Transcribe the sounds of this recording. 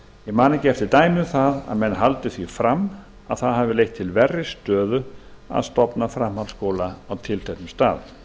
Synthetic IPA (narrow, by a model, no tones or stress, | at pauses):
ɪmaːnɪcɛft̪ɪt̪aːjmʏmθaða̰ðmɛnːɦalt̪ʏθvifɾam | aðθaðɦavɪlejht̪ʰːɪlvɛrːɪst̪œːðʏa̰ðst̪ɔpnafɾamhanskowlaawt̪ʰɪlθɛht̪ʏmst̪aːð